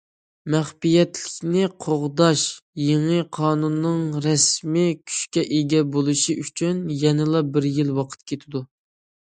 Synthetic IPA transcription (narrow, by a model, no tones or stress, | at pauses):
mæχbijɛt̪lɪ̥kʲnɪqʰoʁd̪ɑʃjeŋɨqʰɑːnunːɨŋɾɛsmɪkʲʰy̥ʃkʲɛʔeɡʲɛbolˠɨʃiʔyt͡ʃʰynjɛnɪlˠɑbɪɾjilwɑqʰə̥t̪kʲʰet̪ʰɪd̪u